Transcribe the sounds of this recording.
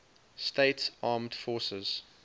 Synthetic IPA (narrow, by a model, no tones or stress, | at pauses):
steɪtsɑːmd̥fɔːsəz̥